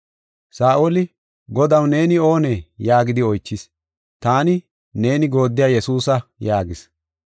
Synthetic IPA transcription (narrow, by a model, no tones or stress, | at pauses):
saːʔolɪ | ɡɔd̪ɐwne̞ːnɪo̞ːneːjaːɡɪd̪ɪɔjt͡ʃːɪs | t̪aːnɪ | ne̞ːnɪɡo̞ːd̪ːɪjaːjɛsuːsɐjaːɡɪs